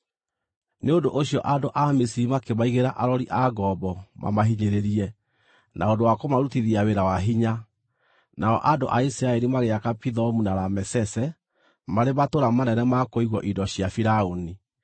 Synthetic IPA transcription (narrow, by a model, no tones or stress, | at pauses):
neondoʔoɕjɔʔadoʔamisiɾimakemaiɣeɾaʔaɾɔɾiʔaɡɔbɔmʔa̰maɦiɲeɾeɾiɛ | naondowakomaɾutiðiaweɾawaɦiɲa | naɔ̰ʔadoʔaisiɾaeɾimaɣeakapiðɔmunaɾamɛsɛsɛ | maɾematoɾamanɛnɛmakoiɣwɔʔidɔɕiafiɾaoni